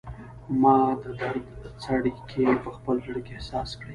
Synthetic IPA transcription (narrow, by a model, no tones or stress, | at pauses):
mɑd̪əd̪aɾt͡saɽikʰepəxpəlzəɽikeehsɑskɽe